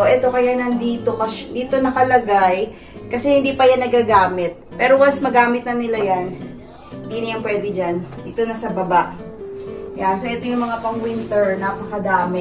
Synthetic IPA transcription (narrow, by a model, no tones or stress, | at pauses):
oʔɛt̪o̞kɐjanɐnd̪iːt̪o̞kɐʃd̪iːt̪o̞nɐkɐlɐɡaj | kɐsɛhɪnd̪iːpɐjanːɐɡaɡaːmɪt̪̚pɛːɾowasmɐɡaːmɪt̪̚nɐnɪlajan | inɐjɐŋpwɛːd̪ɛd͡ʒanʔɪt̪o̞nɐsɐbɐbaʔ | jansoʔɛt̪ojʊŋmɐŋapɐŋwɪnt̪ɛɹnɐpɐkɐd̪aːmɪ